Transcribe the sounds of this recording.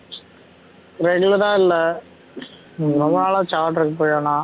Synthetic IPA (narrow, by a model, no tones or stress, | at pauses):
ɾɛɡʊlɐɾãːɪlːɐ | ɾɔmːɐnaːlaːt͡ʃaːʈːɾɯkːɐpːoːjaːnaː